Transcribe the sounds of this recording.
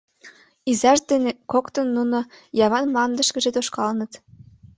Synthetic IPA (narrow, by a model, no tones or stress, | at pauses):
izæʃd̪enekokt̪ɤ̆nːunɤ̆jɑβɑnmɑnd̪ɤ̆ʃkɘ̆ʒet̪oʃkɑlnɤ̆t̪